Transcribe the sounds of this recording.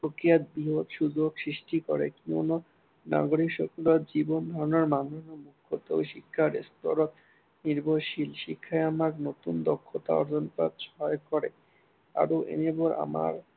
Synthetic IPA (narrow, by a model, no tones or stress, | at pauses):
pɾokijat̪̚biɦod̪ʃud͡ʑoksɾiʃʈikɔɾekiono | na̰ɡoɽikʃokulot̪d͡ʑibond̪ʱɔɾonaɾmanonomukʰːot̪o̰wʃikʰːaɾest̪oɾot̪ | niɾboʃilʃikʰːaeamaɾnot̪und̪ɔkʰːot̪a̰ɔ̰ɾd͡ʑonpad̪ʃɔɦɔkɔɾḛ | a̰ɾoʔḛneboɾa̰ma̰ɾ